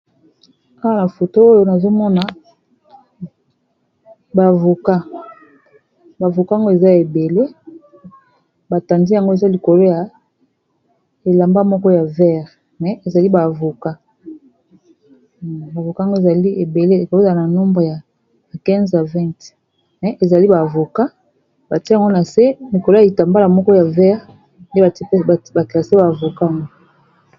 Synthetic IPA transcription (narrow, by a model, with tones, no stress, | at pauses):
ka˦ka˨na˨fo˨to˦o˦jo˦na˨zo˦mɔ˦na˨ | ba˨vo˨ka˦ | ba˨vo˨ka˦˨ŋɡo˦e˨za˦e˨be˨le˦ | ba˨ta˨ndi˦ja˨ŋɡo˦e˨za˦li˨ko˨lo˦ja˨ | e˨la˨mba˦mɔ˦kɔ˦ja˨vɛ˦ʁ | mɛ˨ʔe˨za˨li˦ba˨vo˨ka˦ | ba˨vo˨ka˦˨ŋɡo˦e˨za˨li˦e˨be˨le˦e˨ko˨lo˦˨za˨˦na˨no˦mbʁe˨ja˨ | kɛ̃˦nza˨vɛ̃˦˨t | mɛ˨ʔe˨za˨li˦ba˨vo˨ka˦ | ba˨ti˦a˨ŋɡo˦na˨se˦li˨ko˨lo˦a˨i˨ta˨mba˦la˨mɔ˦kɔ˦ja˨vɛ˦ʁ | nde˦˨˦ba˨ke˨a˨se˦ba˨vo˨ka˦a˨ŋɡo˦